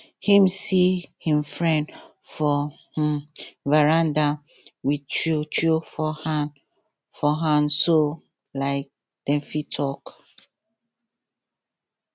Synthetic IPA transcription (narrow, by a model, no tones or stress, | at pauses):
hĩmsihĩmfɹɛ̃nd | fɔ | h̩vɛɹãnda | wit͡ʃut͡ʃufɔhan | fɔɦãnso | laɪk̚ | d̥ɛ̃fitʰɔk